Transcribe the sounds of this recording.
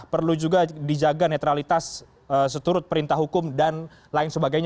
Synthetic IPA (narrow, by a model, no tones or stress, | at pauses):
pərlud͡ʒuɡadid͡ʒaɡanet̪ɾalit̪as | əsət̪uɾʊt̪̚pəɾint̪ahɦukʊmdan | laɪnsəbaɡajɲ